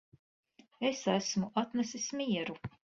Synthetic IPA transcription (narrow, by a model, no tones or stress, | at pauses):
esæsmuʔat̪næsismiɛɾu